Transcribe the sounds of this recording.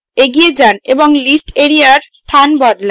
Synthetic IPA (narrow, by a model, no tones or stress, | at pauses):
eɡied͡zanebɔŋlisʈeɾijarst̪ʰanbʌd̪la